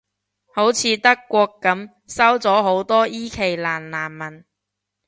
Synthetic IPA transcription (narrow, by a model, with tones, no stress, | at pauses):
ho˨˥wt͡sʰiː˨˧˥t̪ɐ˥kːʷɔː˧kːɐ˨˥m | sɐ˥wt͡sɔː˨˥ɦo˨˥wt̪ɔː˥ʔiː˥kʰe˨˩jlaː˨˩nlaː˨˩nmɐ˨˩n